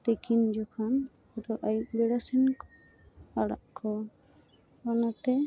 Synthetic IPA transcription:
t̪ɛkind͡ʒɔkʰanɔɖɔʔajuʔ̚bɛɽasɛnkɔ̥ | aɽa̰ʔkʰɔ | ɔnat̪ɛ

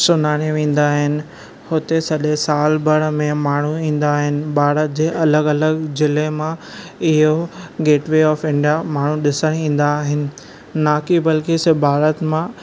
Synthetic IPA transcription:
sʊnaːɽ̃eʋẽːn̆d̪aːɦɪnɪ̆ | hʊt̪esɐɗesaːlbʱɐɽmẽmaːɳ̤uĩːn̆d̪aːɦɪnɪ̆bʱaːɾət̪̚d͡ʑeːʔɐləɡɐləɡzɪlemãɪɦoɡeːʈʋeɔːfɪ̃ɳɖijamaːɳ̤uɗɪsəɽ̃ĩːn̆d̪aːɦɪnɪ̆ | naːkibɐlkisebʱaːɾət̪mã

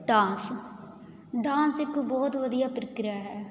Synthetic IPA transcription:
ɖãːns | ɖãːnsɪkbɔːt̪ʋəd̪ijaːpɾɪkɾjaːɦɛː

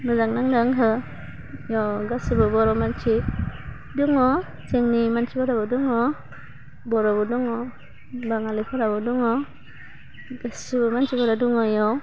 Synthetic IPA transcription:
nɯzaŋ̚naŋdaŋɦɯ | jɔɡasibɯbɔɾɔmant͡ʃʰi | duŋɔ | seŋnimant͡ʃʰipʰaɾabɯduŋɔ | bɔɾɔbɯduŋɔ | baŋalepʰaɾabɯduŋɔ | ɡasibɯmant͡ʃibaɾaduŋɔjɔ

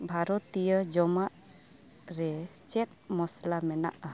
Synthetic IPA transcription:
bʱaɾɔt̪ijəd͡ʒɔmaʔ | ɾɛt͡ʃɛt̪̚mɔslamɛna̰ʔa

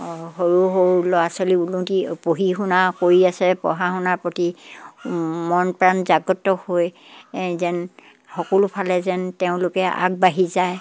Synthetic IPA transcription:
ɦoɹuɦoɹulɔasoliulutipoɦixunakoɹiasɛpɔ̰ɦaxunaɹpoti | mɔnpɹanzaɡɔtːɔhoj | zɛn | xɔkɔlʊpʰalɛzɛnteʊ̃lʊkɛʔa̰ɡ̚baɦizaj

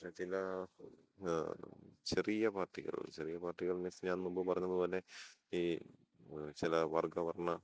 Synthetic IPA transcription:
ɐt͡ɕilɐ | t͡ɕerijɐpaːʈːiɣɐ̰ɭ̰t͡ɕerijɐpaːʈːiɣɐɭnesɲaːnnumbopɐrɐɲːɐðɨpoːle̞i | t͡ɕilɐʋɐrɡɐʋɐrɐnːɐ

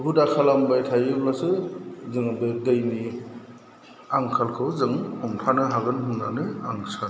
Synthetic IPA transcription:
ɦudakʰalambajtʰajɯblasɯzɯŋbɯdɯjni | aŋkʰalkʰɯwzɯŋhɔmpʰanɯɦaɡɯnɦuna̰nɯaŋsʰan

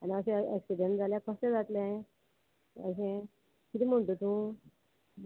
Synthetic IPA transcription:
aniəsẽeksiɖeɳʈd͡zaljakʰəst̪ẽd͡zat̪leaɦẽ | ə̰ɕ̬ẽ | kit̪im̤oɳʈut̪ũː

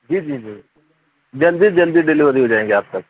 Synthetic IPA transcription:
d͡ʒiːd͡ʒiːd͡ʒiː | d͡ʒəld̪iːd͡ʒəld̪iːɖɪlɪːʋəɾiɦoːd͡ʒaːẽːŋɡeaːp̚t̪ək̚

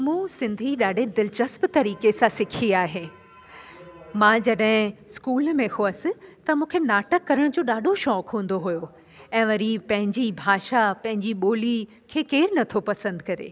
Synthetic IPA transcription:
mũːsɪ̃nd̪ʱiɗaːɖʱed̪ɪlt͡ɕəspt̪ɐɾiːkesãsɪkʰiaːɦeː | mãːd͡ʑɐɗɦɪ̃skuːlmẽhʊəsɪ̆t̪ɐmũːkʰenaːʈəkːɐɾəɽ̃d͡ʑoːɗaːɖʱoʃɔːkɦũːnd̪oɦujo | ɛ̃ːʋɐɾipɐ̃ɦɪ̃ɲd͡ʑibʱaːʃapɐ̃ɦɪ̃ɲd͡ʑiɓoːli | kʰeːkeːɾnɐt̪ʰopɐsə̃nd̪kɐɾḛː

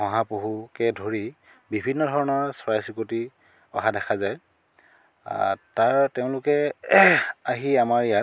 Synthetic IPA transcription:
ɔ̃ɦapoɦukɛdʱoɹi | bibʱinːɔdʱɔɹɔnɔɹsɹajsikoti | ɔɦadɛxʰazaj | taɹteʊ̃lʊkɛ | aɦiamaɹija

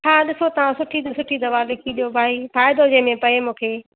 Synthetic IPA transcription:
ɦaːɗɪsot̪ɐʋ̤ãsʊʈʰid̪ɐsʊʈʰid̪ɐʋaːlɪkʰiɗijobʱaːifaːjɪd̪od͡ʑẽːmẽpɐemũːkʰeː

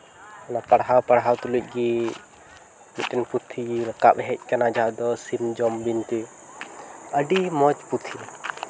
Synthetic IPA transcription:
anapəɽɦawpəɽɦawt̪uluc̚ˀɡi | miʈɛnput̪ʰːiɾəkaɓɦɛc̚ˀkanad͡ʒad̪ɔsimd͡ʒɔmbint̪ɛ | əɖimɔt͡ʃput̪ʰi

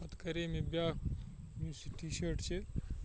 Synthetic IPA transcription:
ɐt̪kɐɾemẽbjaːk | mjusiʈʰiʃəʈt͡ʃʰe

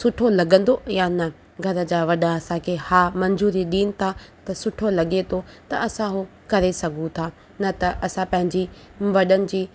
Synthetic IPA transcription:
sʊʈʰolɐɠə̃nd̪ojanɐ | ɡʱɐɾə̆d͡ʑaːʋɐɗaɐsãkʰeːhaːmɐ̃ɲzuːɾiɗiːnɪ̆t̪ʰat̪ɐsʊʈʰolɐɠet̪ʰot̪ɐɐsãɦu | kɐɾesɐɡʱũt̪ʰaː | nɐt̪ɐʔɐsãpɐ̃ɦɪ̃ɲd͡ʑiː | ʋɐɗənɪ̆d͡ʑiː

